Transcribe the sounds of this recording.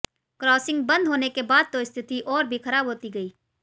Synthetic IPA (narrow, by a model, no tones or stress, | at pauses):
kɾɔːsɪ̃ŋɡ̚bɐ̃nd̪ʱɦoːnekebaːd̪̚t̪oɪst̪ʰɪt̪iʔɔːɾbʱixɐɾaːbɦoːt̪iɡɐiː